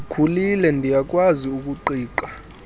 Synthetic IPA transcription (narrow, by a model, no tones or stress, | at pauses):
kʰulilɛndʱijak̬ʼwaziukʼuǃiːǃa